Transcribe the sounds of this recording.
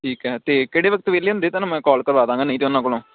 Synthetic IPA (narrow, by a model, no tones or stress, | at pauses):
ʈʰiːkɦɛːt̪eːkeːɽeːʋəkət̪ʋeːleːɦʊnd̪eːt̪aːnamɛ̃ːkɔːlkəɾʋaːd̪ãːŋɡaːnəĩːt̪eːʊnːãːkolõː